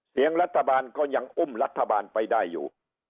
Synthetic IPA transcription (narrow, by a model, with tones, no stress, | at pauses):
si˨˩˦əŋɾa˦˥t̪ʰːa˧baː˧nkɔː˥˩ɲa˧ŋʔo˥˩mla˦˥t̪ʰːa˧baː˧npa˧jdaː˥˩jːṵː˨˩